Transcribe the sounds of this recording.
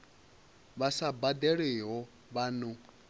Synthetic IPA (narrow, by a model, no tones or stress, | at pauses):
βasabad̪ɛɺiɦɔ | βanu